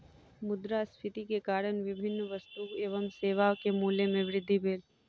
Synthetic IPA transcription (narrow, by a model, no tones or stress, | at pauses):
mʊd̪ɾaspʰɪt̪ikekaːɾəɳʋɪbʱɪnːʋəst̪ueːʋəmseːʋaːʋkemuːljemẽʋɾɪd̪ʱːibʱeːl